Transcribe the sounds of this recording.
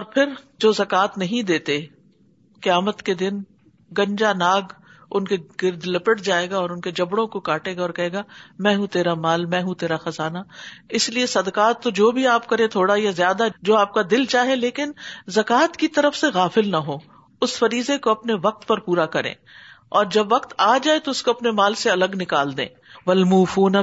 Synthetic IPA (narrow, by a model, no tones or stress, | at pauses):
ɔːɾpʰɪɾd͡ʒoːzɐkaːt̪nɐɦĩd̪eːt̪e | kɪjaːmət̪ked̪ɪn | ɡɐ̃ɲd͡ʒanaːɡʊnkeɡɪɾd̪lɪpəʈd͡ʒaːeːɡaɔːɾʊnked͡ʒɐbɽõkokaːʈeːɡaɔːɾkɐɦeːɡamɛ̃ːɦũt̪eːɾamaːlmɛ̃ːɦũt̪eːɾaxɐzaːnaɪsliesɐd̪kaːt̪ːod͡ʒoːbʱiaːpkɐɾẽt̪ʰoːɽajazjaːd̪ad͡ʒoːaːp̚kad̪ɪlt͡ʃaːɦẽleːkɪnzɐkaːt̪kit̪ɐɾəfseɣaːfɪlnaɦoː | ʊsfɐɾiːzekoɐpneʋɐq̚t̪pɐɾpuːɾakɐɾḛ̃ːɔːɾd͡ʒɐbʋɐqt̪aːd͡ʒaːet̪oʊskoɐpnemaːlseɐləɡnɪkaːld̪ḛ̃ː | ʋɐlmuːfuːn